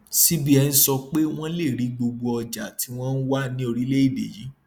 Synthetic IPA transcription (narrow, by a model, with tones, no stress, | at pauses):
si˦bi˦ɛ˧n̩˦sɔ˧k͡pe˦w̃ɔ̃˦le˦˨ɾi˨˦ɡ͡bo˧ɡ͡bo˧ɔ˧d͡ʒa˨ti˨˦w̃ɔ̃˦n̩˦wa˦nĩ˦o˧ɾi˦le˦i˦˨bḛ˨ji˨˦